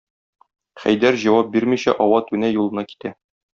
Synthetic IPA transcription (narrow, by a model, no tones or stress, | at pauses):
χæ̰jd̪æɾʑɒwɑp̚biɾmiɕæ̰ʔɒwɑt̪ʉnæjulˠɤ̆nɑki̥t̪æ